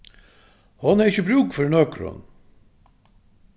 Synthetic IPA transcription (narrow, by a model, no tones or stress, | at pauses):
hɔnæɾɪçəbɾʉːkfɔɾnɔkɾɔ̰n